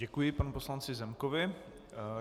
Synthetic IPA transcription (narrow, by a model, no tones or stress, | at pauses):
ɛkujɪpanuposlant͡sɪzɛmkovɪ